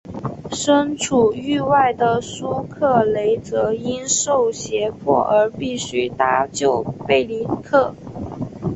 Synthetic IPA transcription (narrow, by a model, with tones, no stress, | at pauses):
ʂə˥nʈ͡ʂʰu˨˩y˥˧wa˥˩ɪd̪ə˩su˥kʰɤ˥˩le˧˥ɪt͡sɤ˧˥i˥nʂo˥˩ʊɕjɛ˧˥pʰwɔ̰˥˩ʔə˞˧˥pi˥˩ɕy˥t̪a˥˧t͡ɕjo˥˩ʊpe˥˩ɪli˧˥kʰɤ˥˩